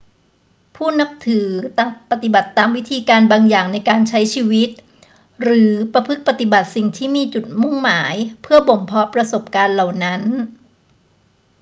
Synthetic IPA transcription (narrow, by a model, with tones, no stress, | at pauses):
pʰuː˥˩na˦˥k̚t̪ʰɯː˩˦t̪a˨˩t̪̚pa˨˩t̪i˨˩ba˨˩t̪ːaː˧mwi˦˥t̪ʰiː˧kaː˧nbaː˧ŋjaː˨˩ŋna˧jkaː˧nt͡ɕʰa˦˥jt͡ɕʰiː˧wi˦˥t̪̚ | ɾɯː˩˦pɾa˧pʰɯ˦˥k̚pa˨˩t̪i˨˩ba˨˩t̪̚si˨˩ŋt̪ʰiː˥˩miː˧t͡ɕu˨˩t̪̚mu˥˩ŋmaː˩˦jpʰɯ˥˩əbo˨˩mpʰɔ˦˥pɾa˧so˨˩p̚kaː˧nla˨˩wna˦˥n